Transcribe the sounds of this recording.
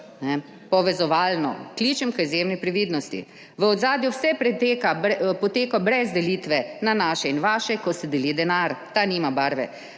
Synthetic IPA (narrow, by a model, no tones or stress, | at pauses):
nɛ | pɔʋɛzɔʋaːlnɔ̰kliːt͡ʃɛmkəizjemnipɾɛʋiːd̪nɔst̪ḭ | ʋəɔd̪zaːd̪juwsɛpɾɛt̪ekaɛpɔt̪eːkɔbɾɛzd̪ɛliːt̪ʋɛnanaːʃɛinʋaːʃɛkɔst̪ɛd̪ɛlid̪ɛnaɾt̪aniːmabaːɾʋɛ̰